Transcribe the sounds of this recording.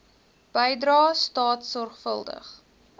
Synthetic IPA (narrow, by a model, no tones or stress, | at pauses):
b̥əjdrɑːstɑːtsɔrχfəlˠdə̰χ